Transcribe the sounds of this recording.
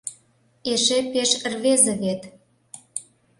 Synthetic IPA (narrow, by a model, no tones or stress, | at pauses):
eʃepeʃrβezĕβet̪